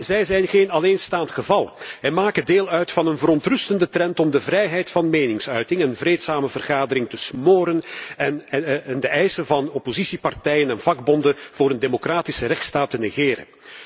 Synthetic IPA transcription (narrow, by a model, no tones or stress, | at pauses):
zɛjzɛjnɣeːnɑleːnstaːntxəvɑlˠɛnmaːkədeːlˠœɥtfɑnənvəɾɔntrɵstəndətrɛntɔmdəvrɛjɦɛjtfɑnmeːnɪŋsœɥtɪŋɛnvreːtsaːməvərɣaːdəɾɪŋtəsmoːɾənnndəɛjsənvɑnɔpozisipartɛjənɛnvɑɡ̚bɔndəv̥ʊːɾəndemokraːtɪsərɛxtstaːtəneɣɪːɾə̰n